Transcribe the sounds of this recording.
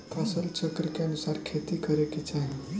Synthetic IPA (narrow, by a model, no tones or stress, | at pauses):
kʰasəlt͡ʃəkɾkeənusaɾkʰet̪ikəɾeket͡ʃaɦi